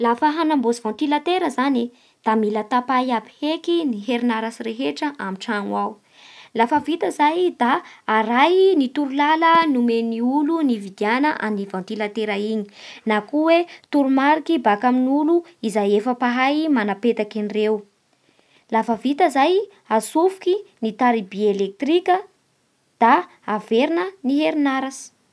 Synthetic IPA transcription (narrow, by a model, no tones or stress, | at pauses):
lafəɦanambozivãnt̪ilat̪eɾəzani | d̪̥amilat̪apajapihekiniɦeɾinaɾasiɾeɦeʈ͡ʂəʔamiʈ͡ʂaŋwaw | lafəvit̪əzajd̪aːɾajnit̪uɾulalənumeniulunivid̪ianəʔanivãwnt̪ilat̪eɾaiɲi̥nakuwet̪uɾumaɾikibakaminuluizajefəpaɦajmanapet̪akinirew | lafəvit̪əzaj | asufu̥kinit̪aɾibielek̚t̪ɾikʲə | d̪̥aː | veɾinəniɦeɾinaɾasi̥